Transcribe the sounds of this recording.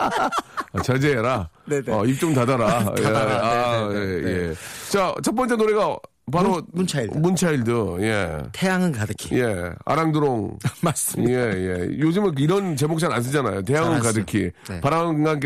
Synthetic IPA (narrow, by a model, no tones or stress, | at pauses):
at͡ɕad͡ʑeɾaneʌip̚t͡ɕ͈omtadaɾa | aejet͡ɕat͡ɕʰʌt̚p͈ʌnt͡ɕ͈enoɾe̞ɡa | paɾomut͡ɕʰaimunt͡ɕʰaiɭdɯje̞̰t̪ejaŋɯnkadɯkʰije̞a̰ɾaŋdɯɾoŋmasje̞je̞̰jod͡ʑɯmɯnkiɾʌnt͡ɕe̞mok̚t͡ɕ͈ʰanans̬͈ʰɯd͡ʑanajote̞jaŋɯnkadɯkʰipaɾaɡank